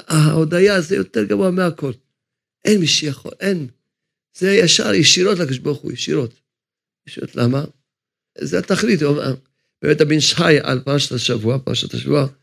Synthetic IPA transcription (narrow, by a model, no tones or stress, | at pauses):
aod̪ajazejo̰t̪eʁɡavuameako̞l | ʔenmiʃejaχo̞̰lʔen | zejaʃa̰ʁjeʃiɾo̞t̪lakad̪oʃbaʁχṵjeʃḭɾo̞t̪ | jeʃiɾo̰t̪lʔama | zeat̪aχlit̪omḛ | bemet̪abinʃħaja̰lpaʁaʃataʃavuapa̰ʁa̰ʃa̰t̪aʃa̰vua